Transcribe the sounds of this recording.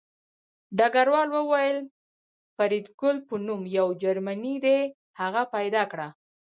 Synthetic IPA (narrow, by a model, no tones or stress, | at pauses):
ɖaɡaɾwɑlwəwajəl | faɾid̪ɡʊlpənumjawd͡ʒaɾmanid̪e | haɣapajd̪ɑkɽa